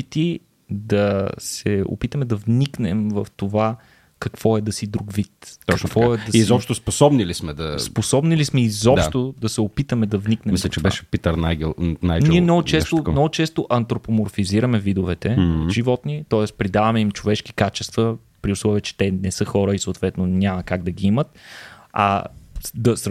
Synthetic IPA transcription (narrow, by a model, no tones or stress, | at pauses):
it̪i | d̪ɐsɛo̰pit̪əmɛd̪ɐvniknɛmvəft̪ova | kɐkv̥ɔɛd̪ɐsid̪ɾuɡvit̪ɔɐk̪vɔɛd̪ɐsizzɔpʃt̪osposɔbnilismɛd̪ɐssposɔbnilismɛizɔpʃt̪od̪ɐsɛopit̪əmɛd̪ɐvniknɛ̃mislʲɛt͡ʃɛbɛʃɛpit̪əɾnajɡɛnajniɛmnɔɡʊt͡ʃɛst̪onɔɡʊt͡ʃɛst̪oʔɐnt̪ɾopomoɾfiziɾəmɛvid̪ovɛt̪ɛʒivɔt̪nit̪ɔɛspɾid̪avɐmɛimt͡ʃovɛʃki̥kat͡ʃɛ̥st̪və | pɾiʊslˠɔviət͡ʃɛ̥t̪ɛnɛsɤxɔɾəisoːt̪vɛt̪nonʲamɐkaɡd̪ɐɡiimət̪ɐ̰d̪ɐs